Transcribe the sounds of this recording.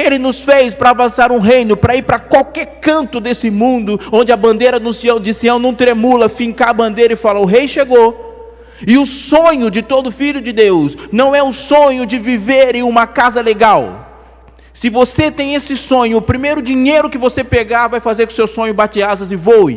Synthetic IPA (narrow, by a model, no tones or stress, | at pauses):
elɪnʊsfejspɾɐavɐ̃saɾũɦejnʊpɾɐiɾpɾɐkwawkɛɾkɐ̃nt̪ʊd̪esɪmũnd̪ʊõnd͡ʒɪɐbɐ̃nd̪ejɾɐnũsiɐ̃w̃d͡ʒisiɐ̃w̃nɐ̃w̃t̪ɾemulɐfĩŋkaɐbɐ̃nd̪ejɾɐɪfalɐʊɦejʃeɡo | ɪʊsõɲʊd͡ʒɪt̪od̪ʊfiʎʊd͡ʒɪd̪ewsnɐ̃w̃ɛũsõɲʊd͡ʒɪviveɾẽũmɐkazɐleɡaw | sɪvoset̪ẽj̃esɪsõɲʊːpɾimejɾʊd͡ʒiɲejɾʊkɪvosepeɡaɾvajfazeɾkʊ̃sewsõɲʊbat͡ʃiazɐzɪvow